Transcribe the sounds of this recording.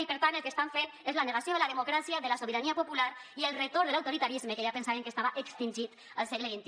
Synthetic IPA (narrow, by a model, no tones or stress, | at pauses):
ipeɾt̪anelˠkest̪aɱfen | ezlaneɣasjoðelaðemokɾasiaðəlasoβiɾaniapopulaɾiəlˠret̪oɾðəlawt̪oɾit̪aɾizmekeʒapensaβeŋkest̪aβaʔəkst̪inʲʒit̪ | əlˠsɛɣləβ̞int̪i